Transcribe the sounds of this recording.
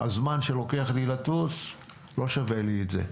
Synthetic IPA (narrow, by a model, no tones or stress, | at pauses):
a̰zmanʃe̞lo̞ke̞aχlilatut͡s | lo̞ʃaveliːtzḛ